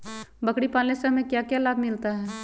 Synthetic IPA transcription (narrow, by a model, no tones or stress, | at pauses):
bəkɽipaːlnesemẽkjakjalaːd̪mɪlt̪aɦɛː